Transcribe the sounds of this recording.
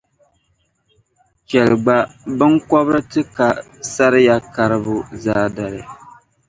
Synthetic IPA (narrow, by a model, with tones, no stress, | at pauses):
t͡ʃɛ˨lɨ˨ɡ͡ba˨bɨ˦ŋkɔ˦bɾɨ˦tɨ˦ka˨sa˦ɾɪ˦ja˦ka˦ɾɨ˦bʊ˦zaː˦da˨ɾɨ˨